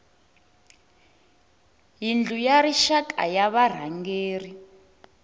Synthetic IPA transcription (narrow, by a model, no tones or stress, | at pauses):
jind͡ɮʱujaɾiʃakʼa̰jaβar̤aŋɡeːri